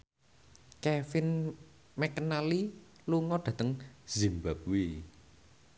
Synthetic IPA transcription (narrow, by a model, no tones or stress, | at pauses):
kɛfɪn | mɛkənali | luŋɔɖ̪̥a̤t̪əŋz̥imbap̚wi